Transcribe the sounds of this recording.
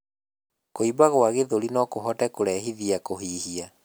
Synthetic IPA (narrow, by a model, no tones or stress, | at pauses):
koibaɣwaɣeðoɾinɔkoɦɔtɛkoɾɛɦiðiakoɦiːhia